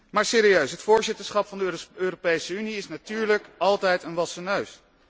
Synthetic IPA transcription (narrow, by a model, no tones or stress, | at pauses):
maːɹseːɾiøɥsɦətfʊːɹzɪtəɹsχɑpfɑndəøːropejsəyniɪsnatyːɹləkɑlˠtɛjtənʋɑsənøɥs